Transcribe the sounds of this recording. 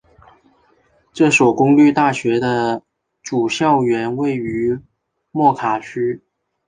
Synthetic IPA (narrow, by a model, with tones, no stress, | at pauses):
ʈ͡ʂɤ˥˩ʂwɔ˨˩ʊkʊ˥ŋly˥˧t̪a˥˩ɕɥɛ˧˥d̪ə˧ | ʈ͡ʂu˨˩ɕjɑ˥˩ʊɥɛ˧˥nwe˥˩ɪy˧˥ | mwɔ˥˩kʰa˨˩t͡ɕʰy˥